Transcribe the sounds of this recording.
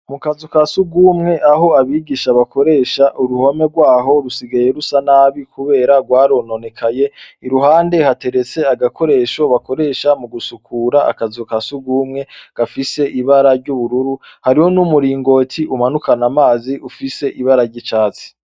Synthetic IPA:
mukazukasuɡuːmŋe̞ʔaɦo̞aβiːɡiʃaβako̞ɾe̞ːʃaʔuɾuho̞me̞ɾɡwaːɦo̞ɾusiɡaje̞ɾusanaːβikuβe̞ːɾaɡwaːɾo̞no̞ne̞kʰaje̞iɾuɦaːnde̞hate̞ɾe̞t͡se̞aɡako̞ɾe̞ːʃo̞βako̞ɾe̞ːʃamuɡusukʰuːɾaa̰kazokasuɡuːmŋe̞ɡ̥afise̞ʔiβaɾaɾɟuβuɾuɾuhaɾiho̞numuɾiːŋɡo̞ːtʰiʔumanukanamaːziʔufise̞ʔiβaɾaɾɟit͡ʃaːt͡si̥

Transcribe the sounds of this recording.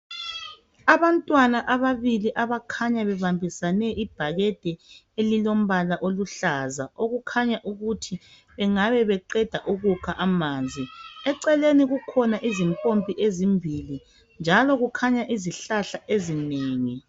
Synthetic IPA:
aβantʼwanaʔaβaβiliʔaβakʰaɲaβɛβambʱisanɛʔib̥ʱaɣɛd̥ʱɛ | elilom̩βalaʔoluɬazaʔoɣukʰaɲaʔuɣutʰi | βɛŋaβɛβɛǃɛd̥ʱaʔuɣukʰaʔamaːnd͡zʱiɛǀɛleniɣukʰɔnaʔizimpʼompʼiʔezimbʱili | nd͡ʒʱalɔɣukʰaɲaʔiziɬaɬaʔezineːŋi

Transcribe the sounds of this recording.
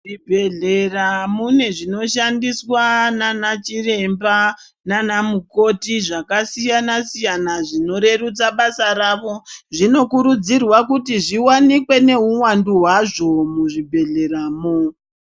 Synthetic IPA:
ʐibʱe̞ɮeramune̞ʐino̞ʃandiswananat͡ʃire̞mba | nanamuko̞tiʐakasijanasijanaʐino̞ɾe̞rut͡saɓasaɾaʋo̞ʐino̞kuɾud͡zirwakutiʐiwanikwe̞ne̞uwanduɦwaʐo̞muʐibʱe̞ɮe̞ɾaːmo

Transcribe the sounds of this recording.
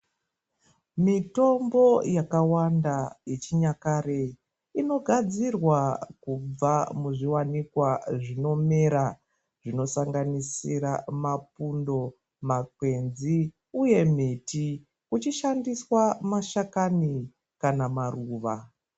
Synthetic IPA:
mito̞mbo̞jakawandajet͡ʃiɲakaɾe | ino̞ɡʱad͡zirwakub͡vamuʐiwanikwaʐino̞me̞ɾa | ʐino̞saŋɡanisiɾamapundo̞ | makwe̞nzi | uje̞miti | kut͡ʃiʃandiswamaʃakani | kanamaruːʋa

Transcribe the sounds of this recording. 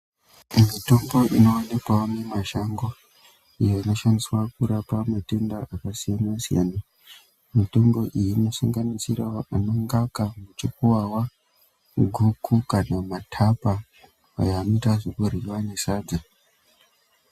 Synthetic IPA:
mito̞mbo̞ʔino̞ːne̞kwamemaʃaŋɡo | ijo̞ino̞ʃandiswak̚uɾapamate̞ndaʔakasijanwasija̰ːna | mito̞mɡo̞ʔijino̞saŋɡanisiɾaano̞ŋɡakamut͡ʃik̚uwawa | ɡʱukʰukanamatʰapa | a̰joːno̞itaʐokuriwane̞saːd͡za

